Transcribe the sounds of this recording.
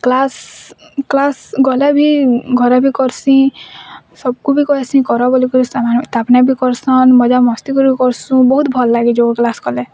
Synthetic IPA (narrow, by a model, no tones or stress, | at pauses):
klas | klasɡɔlebʱiɡʱɔɾabʱikɔɾsĩ | sɔb̚kubʱikɔɦesĩkɔɾɔbɔlikɔɾisamat̪apnabʱikɔɾsɔnmɔd͡ʒamɔst̪ikɔɾbʱikɔɾsũbɔɦut̪bʱɔllaɡid͡ʒoɡɔklasɡɔle